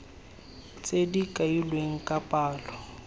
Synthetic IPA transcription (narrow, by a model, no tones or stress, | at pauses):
t͡sʼedikʼailweŋ̩kʼapʼaːlɔ